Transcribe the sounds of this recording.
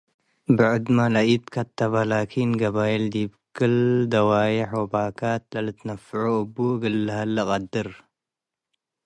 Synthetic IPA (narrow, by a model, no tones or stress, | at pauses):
bɨʕʊd̪malaʔit̪kʰɐt̪ːɐβalaːkʰinɡɐbaːjild̪ibkɨld̪ɐwaːjɪħwɐbaːkʰat̪̚lɐlɨt̪nɐfːʕuɨbːuɡɨlːɐhɐlːɐqʼɐd̪ːɨɾ